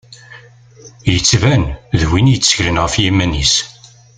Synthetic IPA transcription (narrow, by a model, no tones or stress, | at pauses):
jət͡sːvænðwinjət͡sːə̥çlənʁəfjimːænis